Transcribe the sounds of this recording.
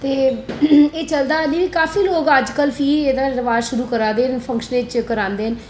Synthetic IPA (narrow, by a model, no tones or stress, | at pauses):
t̪eː | eːt͡ʃəld̪aːniːʋiːkaːfiːloːɡəd͡ʒkəlpʰiːɾeːd̪aːɾəʋaːʃʊɾuːkəɾãːd̪eːnpʰə̃ŋkʃənet͡ʃkəɾãːnd̪eːɦən